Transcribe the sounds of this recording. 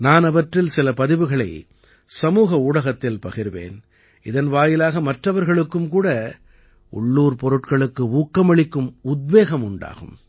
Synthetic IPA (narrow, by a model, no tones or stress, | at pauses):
naːnɐʋɐʈrɪlsɪlɐpɐðɪʋɯɣɐɭɐɪ | sɐmuːɣɐuːɽɐɣɐt̪ːɪlpɐɣɪɾɯʋḛːn | ɪðɐnʋaːjɪlaːɣɐmɐʈrɐʋɐɾɣɐɭɯkːɯmkuːɽɐ | ʊ̰ɭːuːɾpɔɾɯʈkɐɭɯkːɯuːkːɐmɐɭɪkːɯmʊd̪̚ʋeːɣɐmʊɳɖa̰ːɣɯ̰m